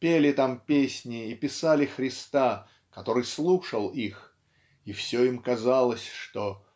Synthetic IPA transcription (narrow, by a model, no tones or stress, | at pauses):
pʲelʲɪt̪ampʲesʲnʲɪːpʲɪsalʲɪxɾʲɪst̪a | kɐt̪o̞ɾɨjslˠuʂəlˠix | ifsʲoimkɐzalˠəsʲʂt̪o